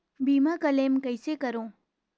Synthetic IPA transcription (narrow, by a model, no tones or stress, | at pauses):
bimãkəlemkəjsekəɾõ